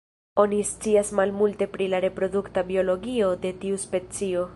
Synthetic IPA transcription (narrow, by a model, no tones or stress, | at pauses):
o̞nist͡siasmalmulte̞pɾilaɾe̞pɾo̞duktabio̞lo̞ɡio̞de̞tiuspe̞t͡sio̞